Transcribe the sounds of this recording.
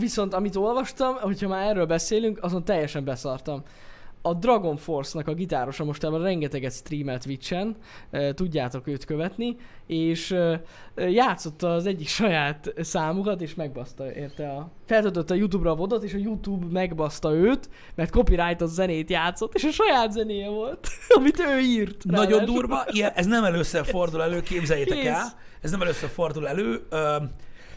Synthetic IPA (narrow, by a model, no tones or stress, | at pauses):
viso̞nt̪ɒmit̪o̞lvɒʃt̪ɒmho̞chɒmaːɾɛrːøːlbɛseːlyŋkɒzo̞nt̪ːɛjːɛʃɛmbɛsɒrt̪ɒm | ɒd̪rɒɡo̞ɱfo̞rsnɒkɒɡit̪aːɾo̞ʃɒmo̞ʃt̪aːbɒrɛŋɡɛt̪ɛɡɛt̪st̪riːmɛlt̪ʋit͡ʃːɛn | t̪uɟːaːt̪o̞køːt̪køvɛt̪nieːʃ | jaːt̪so̞t̪ːɒːzɛɟːikʃɒjaːt̪saːmukɒt̪eːʃmɛɡ̚bɒst̪ɒeːrt̪ɛɒfɛlt̪øːt̪øt̪ːɛːjut̪̬uːbrɒːvo̞d̪o̞t̪eːʃɒjut̪uːbmɛɡbɒst̪ɒøːt̪ | mɛrt̪̚ko̞piɾajt̪ozɛneːt̪jaːt̪so̞t̪ːeːʃɒʃɒjaːt̪zɛneːjɛvo̞lt̪ɒmit̪øːiːrt̪nɒɟo̞nd̪uːrvɒijɛʔɛznɛmɛløːsːɛfo̞rd̪ulɛløːkeːbzɛjeːɛkːɛl | ɛznɛmɛløːsːørfo̞rd̪ulɛløːøː